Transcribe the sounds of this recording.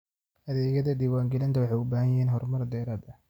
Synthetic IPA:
ʔɐðɛːɣɐðɐd̪iːwaːŋɡɛlɐnt̪ʰɐwɑħɑjʊbaːhɐnjɦɛːnɦɔrmɐrd̪ɛːɾɐd̪ɐ

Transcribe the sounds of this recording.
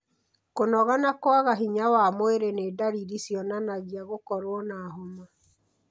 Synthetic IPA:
konɔɣanakwaɣaɦiɲawamoeɾeneːdaɾiɾisjɔnanaɣiaɣokɔɾwɔnaːɦoma

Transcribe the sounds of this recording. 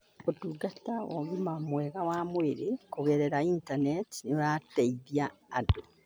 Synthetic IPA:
otuːɡatao̰ɣimamweːɣawaːmweɾekoɣeɾeɾaintaneti̥noɾaːteiðjaːdo

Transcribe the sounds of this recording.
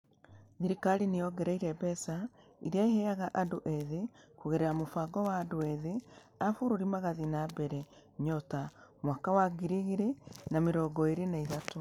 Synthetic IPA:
ðiɾikalinejɔɡɛɾaiɾɛbɛsa | iɾiaehɛaɣaʔadoʔeðekuɣeɾɛɾamofaɡɔwaːdoɛðe | afoɾoɾimaɣaðinabɛɾɛ | ɲɔtamwakawaɡiɾiɣiɾenameɾɔːɡɔeɾenaiðato

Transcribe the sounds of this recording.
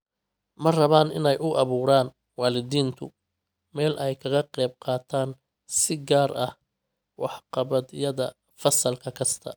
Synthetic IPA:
mɐrɐβaːnɪ̰nɛjʔʊʔɑβuːɾaːn | wɑːlɪðiːnt̪ʰʊ | mɛːlʔɛjkʰɐɣɐqɛjb̚qɑːt̪ʰaːn | sɪɡaːɾɐh | wɑħqɑβɐd̪jɐðɐ | fɐsɐlkʰɐkʰɐst̪ʰɐ̰

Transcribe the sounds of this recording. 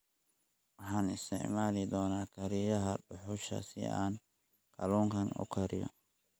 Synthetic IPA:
wɑħɑːnɪst̪ʰɪ̰ʕmaːlɪd̪ɔːnaːkʰɐɾɪjɐɦɐɖʊħʊʃɐ̰sɪ̰ʔa̰ːn | kʰɐluːŋkʰɐnʊ̰kʰɐɾɪjɔ̰

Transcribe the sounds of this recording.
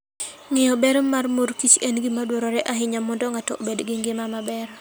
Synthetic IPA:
ŋɪjɔbɛɾmarmoɾkit͡ʃɛnɡimadwoɾɔɾɛʔaɦɪɲamɔndɔŋatɔbedɡɪŋɡɪmamabɛɾ

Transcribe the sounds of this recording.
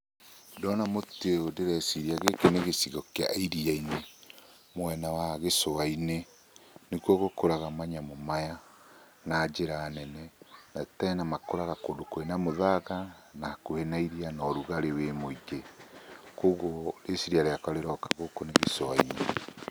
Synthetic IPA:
dɔnamoteodeɾɛsiɾiaɣekeneɣesiɣɔkea̰iɾiaine | mwɛnawaɣesoaine | nekwɔɣokoɾaɣamaɲamomaja | naːd͡ʒeɾaːnɛnɛnataɛnamakoɾaɣakodokoenamoðaɣanakohenaiɾianɔɾuɣaɾewemoiɣe | koɣɔɾesiɾiaɾeakaɾeɾɔkḁɣokoneɣesoaine

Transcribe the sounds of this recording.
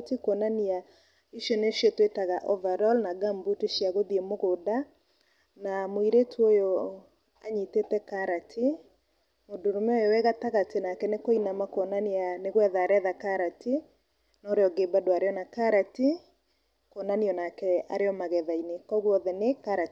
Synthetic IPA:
tikonania | iʃjoneʃijɔtwetaɣaʔɔvaɾɔlnaɡambuteʃiaɣoðiemoɣoda | namoiɾetʰuojo | a̰ɲitetɛkaɾatʰi | modoɾomɛɔjowɛɣataɣatenakɛnekoinamakonanianeɣwɛðaːɾɛðakaɾati | nɔɾeɔɡebadoaɾeɔnakaɾati | konaniɔnakɛaɾeɔmaɣɛðainekɔɣwɔðɛnekaɾat

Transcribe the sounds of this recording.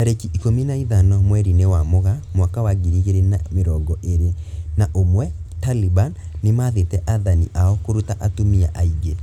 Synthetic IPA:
aɾekiʔikominaiðanɔmwɛɾinewamoɣamwakawaɡiɾiɣeɾenameɾɔɡɔʔeɾenaʔomwɛtalibanː | emaðetɛʔaðanḭʔaɔkoɾutaʔatomiaʔaiɡe

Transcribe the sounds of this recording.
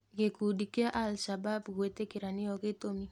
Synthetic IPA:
kekudikiaʔalʃababkwetekiɾaniɔketomi

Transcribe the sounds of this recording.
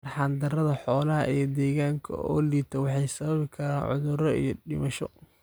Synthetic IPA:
rħɑːnd̪ɐrɐðɐħɔːlɐɦɐ̰ʔijd̪ɛːɣaːŋkʰɐ̰ɔːliːt̪ʰɐwɑħɑjsɐβɐβɪkʰɐɾaːnʕʊ̰ðʊɾɔijɔɖɪmɐʃɔ

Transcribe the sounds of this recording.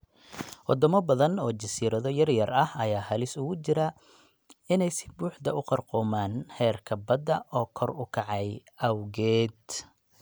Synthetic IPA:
wɑ̰d̪ɔmɐbɐðɐnɔːd͡ʒɐsiːɾɐðɔjɐrjɐrɐhɐjaːhɐlɪsʊɣʊt͡ʃɪɾɐ | ɪnɛjsɪ̥buːħd̪ɐʊqɑrqɔːmaːnhɛːrkʰɐbɐd̪ɐʔɔːkʰɔrʊkʰɑʕɑjʔɐwɣɛːd̪

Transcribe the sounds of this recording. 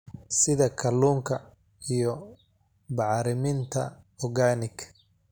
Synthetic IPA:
sɪðɐkʰɐluːŋkʰɐ | ijɔ | bɑʕɾɪmɪnt̪ʰɐ̰ɔɣaːnɪkʰ

